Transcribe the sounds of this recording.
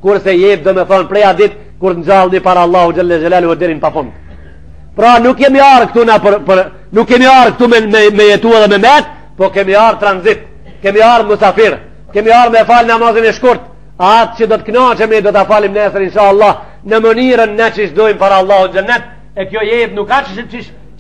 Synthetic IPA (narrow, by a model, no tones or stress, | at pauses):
kuɾsɛjɛp̚d̪ɔmɛθɔnpɾɛad̪it̪̚ | kuɾt̪nd͡ʒalˠnipaɾaːlˠːahud͡ʒalːɛd͡ʒalalhud̪iɾinpafund̪ | pɾanukjɛmiaɾkt̪unapɾpəɾ | nukːɛmiaɾk̚t̪ummɛjɛt̪uɛðɛmɛmɛt̪̚ | pɔkɛmiaɾt̪ɾanzit̪̚ | kɛmiaɾmusafiɾ | kɛmiaɾmɛfalnamazinɛʃkuɾt̪ | at̪̚t͡ʃəd̪ɔt̪ə̥knat͡ʃɛmid̪ɔt̪afalimnɛsəɾinʃaːlˠˤːɑh | nəməniɾənːɛt͡ʃiʃd̪ɔjmpaɾaːlˠːahud͡ʒalnːɛt̪̚ | ɛkjɔjɛjɛt̪̚nukat͡ʃəʃət͡ʃiʃ